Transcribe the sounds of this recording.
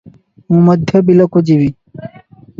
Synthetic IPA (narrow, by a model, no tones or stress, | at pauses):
ũmɔd̪ʱjobilokud͡ʑiʋi